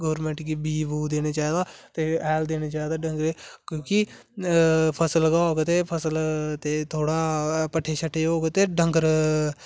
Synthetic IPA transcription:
ɡɔːɾmɛ̃ɳʈɡibiːbuːd̪eːneːt͡ʃaːid̪aːt̪eːɛːld̪eːneːt͡ʃaːid̪aːɖəŋɡɾeːkjõːki | pʰəsəlɡaːɦoːɡet̪eːpʰəsəlt̪eːt̪ʰoːɽaːpəʈʰːeːt͡ʃʰəʈʰːeːoːɡet̪eːɖəŋɡəɾ

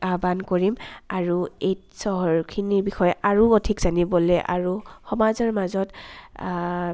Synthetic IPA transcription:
abankoɹimaɹuejtsɔɦɔɹkʰiniɹbixɔjɛʔaɹuodʰʱikzanibɔlɛjʔa̰ɹuxɔmazɔɹmazɔt

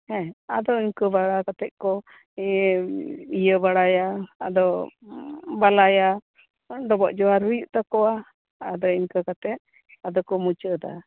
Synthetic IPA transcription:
hɛ̃ad̪ɔiɲkəbaɽakat̪ɛt̪̚ˀkɔ | ijəbaɽajaːd̪ɔ | balaja | ɖɔbɔʔd͡ʒɔaɾɦujuʔt̪akɔwaː | d̪ɔiɲkəkat̪ɛt̪̚ | ad̪ɔkɔmut͡ʃəd̪a̰

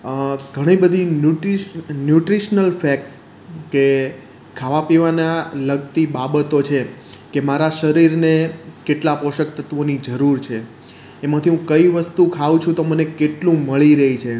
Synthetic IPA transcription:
ɡʱəɽ̃ibəd̪ʱinjuʈinjuʈɾiʃnəlfɛk̚ʈs | ke | kʰaʋapiʋanaləɡt̪ibabət̪ot͡ʃʰekemaɾaʃəɾiɾnekeʈlapoʃək̚t̪ət̪ʋonid͡ʒəɾuɾt͡ʃʰeː | mãt̪ʰiɦũkəiʋəst̪ukʰaʋũt͡ʃʰũt̪omənekeʈlũməɭiɾəɦit͡ʃʰe

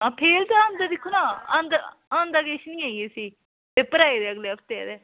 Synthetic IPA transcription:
ãːpʰeːɾt̪aə̃ːnd̪ad̪ɪkʰːunãːã̰ːnd̪ə | ãːnd̪aːɡeːʃnĩːãːieːsiː | t̪eːpəɾaːed̪eːəɡleːəp̚ʰt̪ed̪eː

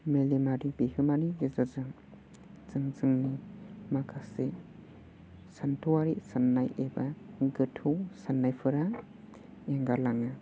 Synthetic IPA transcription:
melimaɾibihʰɯmaniɡizɯzɯŋ | t͡sɯŋt͡sɯŋnimakʰase | santʰuwaɾisanːajebaɡɯtʰuwsanːajpʰɯɾa | eŋɡalaŋa

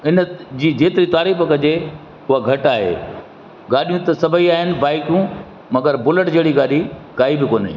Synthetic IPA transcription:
ɪnəd͡ʑiːd͡ʑeːt̪ɪɾit̪aːɾiːfəkɐd͡ʑe | ɦʊɦaɡʱɐʈaːɦḛː | ɡaːɗijũt̪ɐsɐbʱəiaːɦɪnɪ̆baːɪkjũ | mɐɡəɾbʊləʈd͡ʑeːɽiɡaːɗikaːibɪkoːnḭ

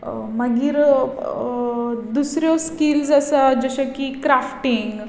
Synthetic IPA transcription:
məɡiːɾ | d̪usɾjɔskilsasad͡ʑəɕakikɾafʈiŋɡ

